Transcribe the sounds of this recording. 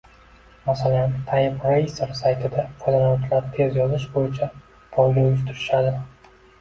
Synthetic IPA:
masalant̪ʰajɪpɾeseɾsajt̪ʰɪd̪afʰɒjd̪alaɒt͡ʃʰlaɾt̪ʰe̞zjɒzɪʃbojɪt͡ʃʰa | pʰɒlˠɡʲaʊɪʃ̬t̪ʰʊɾɪʃad̪ɪ

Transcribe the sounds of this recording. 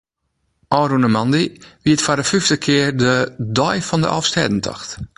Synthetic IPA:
ʔɔːrunəmandiʋiətfadəfyftəkʰɪərdədɔjfɔndəʔɔ̰fstɛ̰ːdən̩tʰɔ̰xt

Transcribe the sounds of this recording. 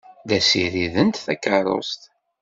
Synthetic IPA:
d̪æsiðiðənt̪θækːərˤo̰st̪

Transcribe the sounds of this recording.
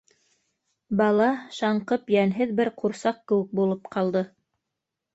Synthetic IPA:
bɑlˠɑʃɑɴqɤpjænɦɘðbɘɾquɾsɑq̚kɘ̆wɘk̚bulˠɤpqʰɑlˠd̪ɤ

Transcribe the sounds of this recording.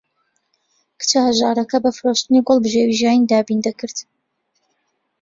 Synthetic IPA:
kɨ̥t͡ʃʰɐhɐʒaːɾɐkɐbɐfɨɾoʃt̪ɨniɡɔlˠbɨʒewiʒjaːjind̪aːbind̪ɐkɨɾd̪

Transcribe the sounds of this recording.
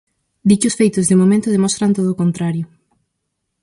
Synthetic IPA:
d̪it͡ʃʊsfejt̪ʊzðɪmomẽnt̪ʊðemɔst̪ɾant̪oðoːkont̪ɾaɾjʊ

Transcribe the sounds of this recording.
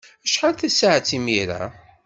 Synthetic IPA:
æʃħalθæsaʕt͡sːimiɾa̰

